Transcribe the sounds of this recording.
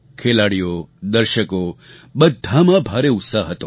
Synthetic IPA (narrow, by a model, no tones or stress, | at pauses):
kʰelaɽijod̪əɾʃəko | bəd̪ʱːamãbʱaɾeʊt̪saɦɦət̪õ